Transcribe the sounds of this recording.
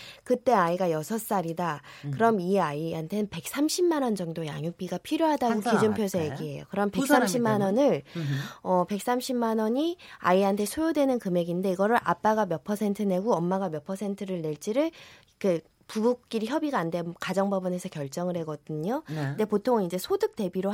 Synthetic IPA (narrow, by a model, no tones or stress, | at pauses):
kɯt͈e̞aiɡajʌsʰʌs͈aɾidakɯɾʌmiaiɦantʰe̞nɯnpe̞k̚s͈amɕʰimːanʌnd͡ʑʌŋdoja̰ŋjok̚p͈iɡapʰiɾjoɦadaɡokid͡ʑumpʰjosʰajeɡiɦe̞jo̰kɯɾʌmpe̞ks͈amɕʰimːanʌnɯɭ | ʌpe̞k̚s͈amɕʰimmanʌɲia̰iɦantʰe̞sʰojodwe̞nɯnkɯme̞ɡinde̞iɡʌɾɯɭʔa̰p͈aɡamjʌpʰʌsʰe̞ntʰɯne̞ɡuʌmːaɡamjʌpʰʌsʰe̞ntʰɯɾɯɭne̞ɭt͡ɕ͈iɾɯɭ | kɯ | pubuk̚k͈iɾiçjʌbiɡaːndemkad͡ʑʌŋbʌbɯne̞sʰʌkjʌɭt͡ɕ͈ʌŋɯɭhe̞ɡʌdɯɲonde̞potʰoŋind͡ʑe̞sʰodɯk̚t͈e̞biɾo